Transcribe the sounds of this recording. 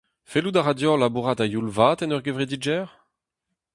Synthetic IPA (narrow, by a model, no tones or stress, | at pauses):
felud̪aʁad̪jɔ̃labuʁat̪ajulvaːt̪ɛnœʁɡøvʁed̪id͡ʒɛːʁ